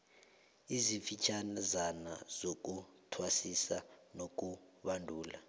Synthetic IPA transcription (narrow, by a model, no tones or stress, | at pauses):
izifit͡ʃʰanzana̰z̥ok̬utʰwasisanok̬uɓandʱuːla̰